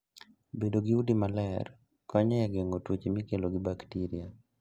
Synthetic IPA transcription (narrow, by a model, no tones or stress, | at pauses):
bedoɡiudimalɛr | kɔɲɛɛɡeŋotwut͡ʃmikeloɡɪbaktiɾia